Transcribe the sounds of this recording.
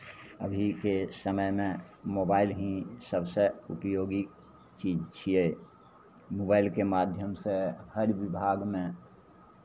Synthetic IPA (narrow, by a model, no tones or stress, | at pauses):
ə̰bʱikesəməjmẽ | mobailɦĩsəbseṵpjoɡik | t͡ʃid͡ʒt͡ʃʰie | mobaɪlkemad̪ʱjəmsehəɾʋibʱaɡmẽ